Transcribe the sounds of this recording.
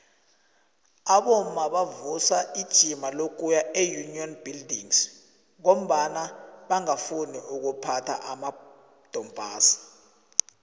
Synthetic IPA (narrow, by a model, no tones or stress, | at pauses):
aɓɔmaɓavusaid̥ʒ̥ʱimalok̬ʼujaejuniɔnbildʱiŋs | ŋom̩ɓanaɓaŋafuniuk̬upʰatʰa̰ʔama | d̥ʱɔmbʱaːsḁ